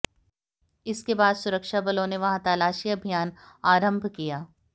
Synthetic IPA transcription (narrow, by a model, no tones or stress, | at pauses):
ɪskebaːd̪sʊɾəkʃabɐlõneʋɐɦãt̪aːlaːʃiɐbʱijaːnaːɾə̃mbʱkijaː